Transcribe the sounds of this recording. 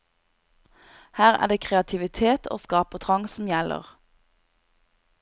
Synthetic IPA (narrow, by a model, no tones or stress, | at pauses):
hæːʁæ̰ːd̪eːkʰʁɛɑt̪ʰɪʋɪt̪ʰeːt̪ʰo̰ːskɑːpət̪ʰʁɑŋsm̩jɛlʔə̰ʁ